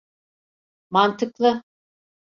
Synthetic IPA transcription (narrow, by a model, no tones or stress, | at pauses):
mant̪ʰɯklˠɯ